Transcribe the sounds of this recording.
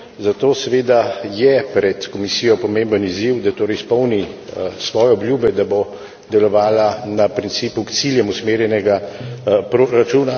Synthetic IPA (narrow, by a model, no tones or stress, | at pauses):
zat̪oːsɛʋeːd̪ajɛpɾɛt̪kɔmisiːjɔpɔmẽːmbəniziwd̪at̪oːɾɛjspɔwnisʋɔːjɛɔbljuːbɛd̪abo | d̪ɛlɔʋaːlanapɾintsiːpukt̪siljɛmusmeːɾjɛnɛɡa | pɾoɾat͡ʃuːna